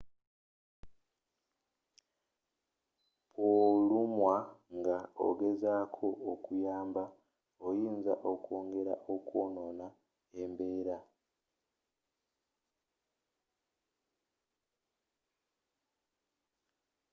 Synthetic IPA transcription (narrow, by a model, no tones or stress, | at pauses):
polumwaŋɡao̰ɡe̞zaːkʰo̞ʔːkujaːmba | ojiːnza̰ʔoko̞ːŋɡe̞ɾa̰ʔokwo̞ːno̞na | e̞mbe̞ːɾa